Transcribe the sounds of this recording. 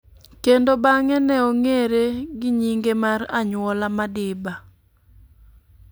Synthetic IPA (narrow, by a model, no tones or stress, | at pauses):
kendobaŋɛnɛoŋeɾeɡɪɲiŋɡemaraɲwɔlamadɪba